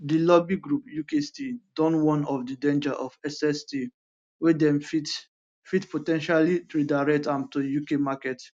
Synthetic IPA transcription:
dilɔbiɡɹupjukestidɔ̃nwɔ̃nɔfdidẽnd͡ʒaʔɔfɛsɛsti | wedɛ̃mfit | fitpʰotɛ̃nʃalitɹudaɹɛk̚tãntujukemakɛt

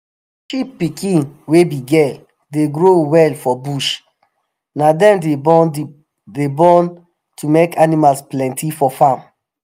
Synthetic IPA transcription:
ʃipːikĩnwebiɡɛl | deɡɹowɛlfɔbuʃ | nadɛ̃mde | debɔ̃n | tʰumekanimalsplɛ̃ntʰifɔfãm

